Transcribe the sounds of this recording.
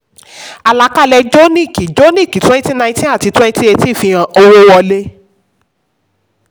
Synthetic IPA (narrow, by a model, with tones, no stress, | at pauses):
a˨la˨˦ka˦˨lɛ˧d͡ʒo˦nĩ˦˨ki˨d͡ʒo˦nĩ˦˨ki˨twɛ˦n˦ti˦nã˧ĩ˦tĩ˦a˦˨ti˨˧twɛ̃˦nĩ˦ti˦e˧ti˦˨fi˧ɾ̃ã˨o˧wo˦wɔ˧le˦